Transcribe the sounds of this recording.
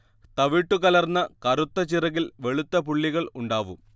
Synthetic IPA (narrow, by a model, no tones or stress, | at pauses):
t̪ɐʋiːʈːukɐlɐrnːɐkɐɾut̪ːɐt͡ɕirɐɣilʋe̞ɭut̪ːɐpuɭːiɣɐɭuɳɖaːʋṵm